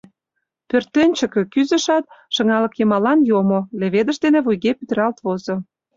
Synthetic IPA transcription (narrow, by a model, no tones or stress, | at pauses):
pørt̪ːenʲt͡ɕə̆kø̆kyzə̆ʃɑt̪̚ʃə̆ŋɑlɤ̆kjɤ̆mɑlɑnjomoleβed̪ə̆ʃd̪enĕβujɣepyt̪rɑlt̪βozo